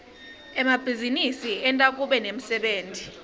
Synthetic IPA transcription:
ɛmab̥ʱizinisiɛntʼakʼuɓɛnem̩sɛɓeːntʼi

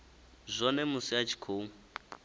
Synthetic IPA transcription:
zʷɔnɛmʊsiat͡ʃʰi̥kʰoː

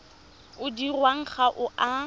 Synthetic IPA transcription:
ʊdirwaŋ̩χaʔʊʔa

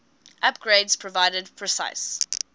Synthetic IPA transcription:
ʔap̚ɡ̥ɹeɪdz̥pʰɹ̥ɔvaɪdəd̚pʰɹ̥əsa̰ɪs

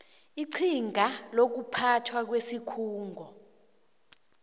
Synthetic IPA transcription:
iǀʰiŋʱalok̬upʰatʰwak̬wesikʰuːŋʱɔ

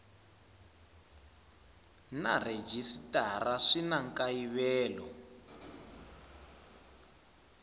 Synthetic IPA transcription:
nared͡ʒisitaɾaʂinaŋkaiβɛːlɔ̰

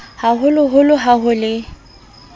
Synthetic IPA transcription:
haɦʊlʊɦʊlʊɦaɦʊlɪ

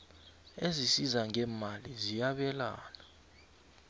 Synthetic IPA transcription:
ezisizaŋɛːmalizijaɓɛla̰ːna

